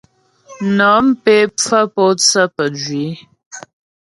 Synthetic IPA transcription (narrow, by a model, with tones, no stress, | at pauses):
nɔ˨˦m˦pe˦p͡fə˦pɔ˦t͡sə˦pə˨d͡ʒɥi˨˦